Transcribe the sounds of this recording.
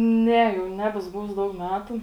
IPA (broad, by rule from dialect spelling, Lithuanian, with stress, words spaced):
ˈnʲɛ jɛʊ ˈnʲæːbʲɛsʊ ˈbʊʋʊs ˈdɐʊk ˈmʲæːtʊ